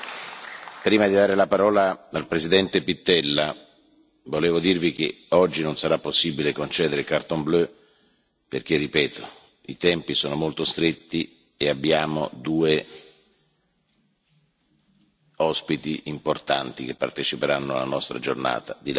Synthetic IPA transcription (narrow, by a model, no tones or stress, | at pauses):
pɾiːmad̪id̪aːɾelapaɾɔːlaalpɾezid̪ɛnt̪epit̪ːɛlːa | voleːvod̪irvik̟ḛ | ɔd͡ʒːinonsaɾapːosːibilekont͡ʃɛːd̪eɾekart̪omblø | perk̟erːipɛːt̪o | it̪ɛmpisoːnomolt̪ost̪ɾet̪ːi | eabːjaːmod̪uːe | ɔspit̪iʔimport̪a̰nt̪ik̟epːa̰rt̪et͡ʃipeɾanːoa̰lːanɔst̪ɾa̰d͡ʒo̰rna̰ːt̪ad̪il